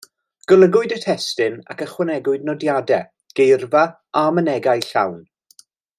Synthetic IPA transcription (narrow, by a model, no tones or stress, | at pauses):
ɡ̥əlˠəɡʊɨdətʰɛstɪna̰kəχwənɛɡʊɨdnɔdjadɛ | ɡ̥ejrva | amənɛɡajɬa̰wn